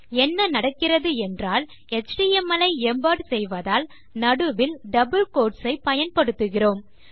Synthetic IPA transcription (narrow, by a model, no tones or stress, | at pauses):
ɛnːɐnɐɽɐkːɪrɐðɯɛndraːl | ɛt͡ʃɖiɛmɐlɐɪɛmbaːʈsɛjʋɐðaːl | nɐɽɯʋɪlɖɐbɯlkoːʈsɐɪpɐjɐnpɐɽɯt̪ːɯɣɪroːm